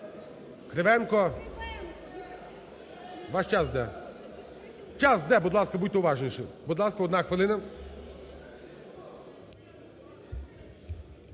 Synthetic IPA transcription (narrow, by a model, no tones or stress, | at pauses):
kɾeʋɛnkɔ | ʋaʃt͡ʃasd̪ɛ | t͡ʃasd̪ɛbʊd̪lˠaskɐbut̪ɛʊʋaʒnʲiʃɪ̰bud̪lˠaskɐɔd̪naxʋelˠɪnɐ